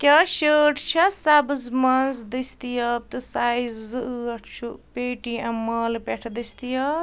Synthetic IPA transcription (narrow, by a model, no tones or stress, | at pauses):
kʲɐʃəːʈʰt͡ʃʰɐsabɨzmɐnzd̪ɐst̪ijɐb̚t̪ɨsajzɨʔɐʈʰt͡ʃʰupeːʈiɐmɐːlpʲeʈʰd̪ɐst̪ijɐ